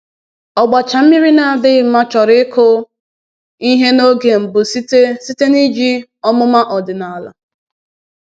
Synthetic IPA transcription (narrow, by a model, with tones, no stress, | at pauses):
ɔ˨ɡ͡ba˨t͡ʃa˨m̩˦mi˦ɾi˦na˨a˨dɪ˦ma˦t͡ʃɔ˨ɾɪ˦kʰʊ˦ | i˦ɦe˦no˦ɡe˨m̩˨bʊ˨si˦e˦si˦te˦ni˦d͡ʒi˦ | ɔ˦mʊ˦ma˦ʔɔ˨dɪ˨na˨la̰˨